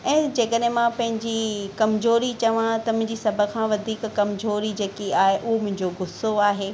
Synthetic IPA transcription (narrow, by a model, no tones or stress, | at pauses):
ɛ̃ːd͡ʑeːkəɗ̃ɦɪ̃mãpɐ̃ɦɪ̃ɲd͡ʑikɐmzoːɾit͡ɕɐʋãt̪ɐmʊ̃ɦɪ̃ɲd͡ʑisɐbʱə̆kʰãːʋɐd̪ʱiːkkɐmzoːɾid͡ʑeːkiaːɦeʔʊɦomʊ̃ɦɪ̃ɲd͡ʑoɡʊsoaːɦeː